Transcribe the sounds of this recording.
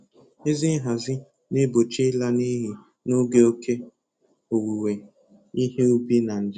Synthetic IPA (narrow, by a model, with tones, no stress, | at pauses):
ɪ˦zɪ˦ɦa˨zɪ˦ | nɪ˦bo˨t͡ʃi˦la˦ni˦ɦi˨ | no˦ɡe˦o˦ke˦ | o˨wu˨we˨ | i˦ɦe˦u˦bi˦na˨n̩˨d͡ʒa˦